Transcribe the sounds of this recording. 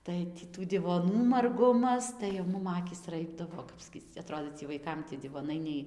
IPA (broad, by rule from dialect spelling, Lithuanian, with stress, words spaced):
ˈtɐɪ tʲiː ˈtuː dʲɪʋoːˈnuː mɐrˈɡʊmɐs tɐɪ jɛʊ ˈmʊm ˈɑːkʲiːs ˈrɐɪbdɐʋoː ˈkɐp sʲkʲiːt͡s ɐˈtroːdʲeː t͡sʲiɛ ʋɐɪˈkɐm tʲiɛ dʲɪʋoːˈnɐɪ nʲɛɪ